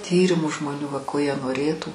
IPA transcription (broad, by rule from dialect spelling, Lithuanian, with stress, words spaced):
ˈtʲiːrʲɪmʊ ʒmoːˈnʲuː ʋɐ ˈkoː jiɛ noːˈrʲeːtuː